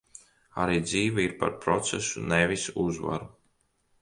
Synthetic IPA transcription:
a̰ɾiːd̪ziːvaiɾpa̰ɾpɾɔt̪sɛsunevisuzva̰ɾu

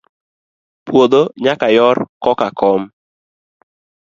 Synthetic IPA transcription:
pwod̪oɲakajɔrkɔkakɔm

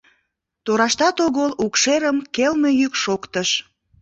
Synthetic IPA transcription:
t̪oɾɑʃt̪ɑt̪oɣəlukʃeɾəmkelme̽jykʃokt̪əʃ

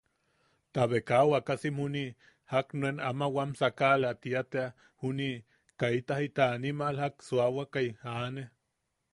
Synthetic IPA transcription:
t̪aβekawakasimuni | haknuenamawamsakalat̪iat̪ea | huni | kait̪ahit̪aːnimalhaksuawakaiane

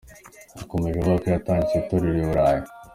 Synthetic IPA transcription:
ako̞me̞ʒekokojataːnit͡set̪oɾiɾeuɾaːjo

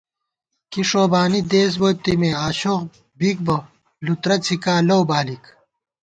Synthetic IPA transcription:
kiʂoːbaːnid̪eːs̬boːt̪imeaːɕoq | bik̚bɐ | lut̪ɾɐt͡sʰikaːlowbaːlik

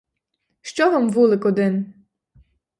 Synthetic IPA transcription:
ʃt͡ʃɔɦɔmʋulˠɪkɔd̪ɪn

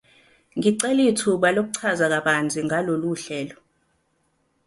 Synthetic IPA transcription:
ŋiǀɛlitʰuɓalok̬uǀʰazak̬aɓand͡zʱiŋʱaloluɬɛːlɔ

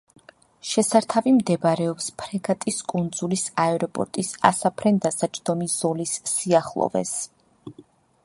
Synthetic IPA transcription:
ʃɛsaɾt̪ʰavimd̪ɛbɾɛɔpspʰɾɛɡat̪ʼiskʼund̪zulisaɛɾɔpʼɔ̰ɾt̪ʼisa̰sapʰɾɛnd̪asat͡ʃʼd̪ɔmiz̥ɔlisːiaχlˠɔ̰vɛ̰s

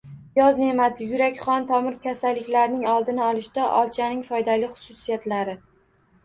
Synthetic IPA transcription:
jɒzne̞mad̪ɪjʊɾakʲχɒnt̪ʰɒmɪɾkʲʰasalːɪkʲlaɾnɪŋɒlˠd̪ɪnɪɒlˠɪʃd̪aʔɒ̰lˠt͡ʃʰanɪŋfɒjd̪alɪχʊ̥sʊsijat̪laɾɪ

